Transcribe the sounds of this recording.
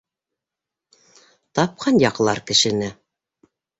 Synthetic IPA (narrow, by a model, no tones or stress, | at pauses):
t̪ɑp̚qʰɑnjɑqlˠɑɾkɘ̆ʃɘ̆nɘ